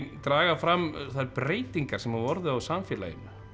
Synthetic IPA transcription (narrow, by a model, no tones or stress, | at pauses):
t̪ɾaːɣafɾamːθaðpɾeːjt̪iŋkaɾ̥sɛmavɔɾðʏawsamfjɛla̰jʏ̰nʏ